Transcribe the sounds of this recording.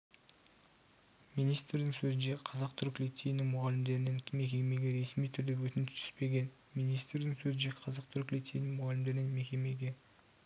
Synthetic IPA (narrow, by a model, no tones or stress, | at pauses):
mijnijst̪ɾd̪ɪŋsɵzɪnʃe̞qʰɑzɑq̚t̪ʰʏɾkʲlʲit̪ʲːejnɪŋmʊʁɑlɪmd̪e̞ɾɪnɪŋme̞kʲe̞me̞ɡʲe̞ɾe̞smijt̪ʰʏɾd̪ɪwɵt̪ɪnt̪ʰʏ̥spe̞ɡʲe̞n | mijnijst̪ɾd̪ɪŋsɵzɪnʃeqʰɑzɑq̚t̪ʰʏɾkʲlit̪ʲːejnɪŋmʊʁɑlɪmd̪e̞ɾɪnɪŋme̞kʲe̞me̞ɡʲe̞